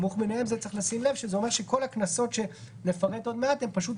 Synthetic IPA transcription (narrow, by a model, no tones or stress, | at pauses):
muχbinehemzett͡seχlasimle̞vʃezeome̞ʁʃe̞ko̞laknaso̞t̪ʃe̞ | nefaʁe̞t̪o̞d̪me̞at̪e̞mpaʃut